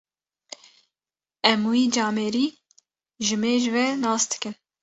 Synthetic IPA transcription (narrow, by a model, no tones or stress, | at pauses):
ɛmwiːd͡ʒɑːmɛːɾiː | ʒɨmeːʒɨvɛnɑːsd̪̥ɨ̥kɨn